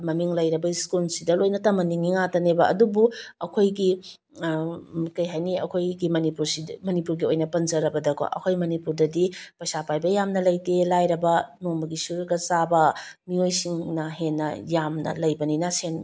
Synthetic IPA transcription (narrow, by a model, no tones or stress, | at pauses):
mɐmiŋlɐjɾɐbɐiskulsidɐlojnɐtɐmɐniŋiŋatɐnebɐʔɐ̰dubuɐkʰojɡi | kɐjɦajniɐ̰kʰojɡimɐnipuɾsimɐnipuɾɡiojnɐpɐnzɐɾɐbɐdɐkʰa̰ʔɐ̰kʰojmɐnipuɾdɐdipɐsapajbɐjamnɐlɐjtelajɾɐbɐnombɐɡisuɾuɡɐsabɐmiojsiŋnɐɦenːɐ̰jamnɐ̰lɐjbɐninasen